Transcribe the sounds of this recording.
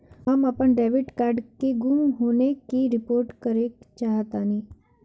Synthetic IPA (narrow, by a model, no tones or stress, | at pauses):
ɦəmapəɳɖeːʋɪʈkaːɾɖkeɡʊmɦoːnekiɾɪpoːɾʈkəɾekt͡ʃaːɦət̪ani